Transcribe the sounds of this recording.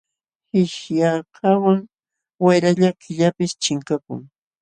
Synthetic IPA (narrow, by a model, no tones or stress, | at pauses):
hɪʃjakʰawaŋ | wajɾaʎakɪʎapɪst͡ʃɪŋkakʊ̰ŋ